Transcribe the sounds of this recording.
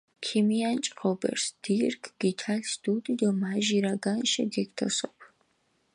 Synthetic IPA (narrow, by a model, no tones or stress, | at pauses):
kʰimijant͡ʃʼqʼɔbɐ̰rsd̪̥iːrkʰɡ̥itʰaːɬsd̪uːd̪ʼid̪ɐmaːʒiɾaɡanʃɐ̰ɡɛktʰɐsʼəpʰ